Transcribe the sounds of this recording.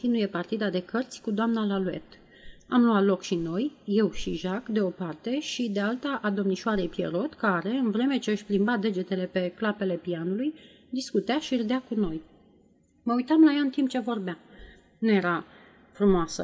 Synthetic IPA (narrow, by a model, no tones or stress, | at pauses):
t̪inuje̞part̪id̪ad̪e̞kərt̪sʲkud̪oamnalalue̞̰t̪ | amluat̪lo̞kʃino̞jje̞wʃiʒakd̪e̞o̞part̪e̞ʃid̪e̞alt̪aʔad̪o̞mniʃoaɾe̞jpje̞̰ɾo̞t̪kaɾe̞ɨnvɾe̞me̞t͡ʃe̞əʃʲplimbad̪e̞d͡ʒe̞t̪e̞le̞pe̞klape̞le̞pianuluj | d̪iskut̪eaʃird̪eakuno̞j | məujt̪amlajaɨnt̪imp̚t͡ʃe̞vo̞rbea | nuje̞ɾa | fɾumoasə̰